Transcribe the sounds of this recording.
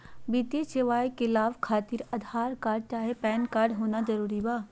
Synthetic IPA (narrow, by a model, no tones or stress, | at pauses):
biːt̪ieseʋaːjkelaːʋkʰaːt̪ɪɾɐd̪ʱaːɾkaːɾɖ̚t͡ʃaːɦepɛːnkaːɾɖɦoːnazɐɾuːɾibaː